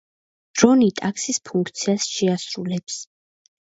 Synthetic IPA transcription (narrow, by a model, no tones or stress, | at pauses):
d̪̥ɾɔnit̪ʼaksispʰuŋkʰt̪sʰiasʃɛasɾulɛps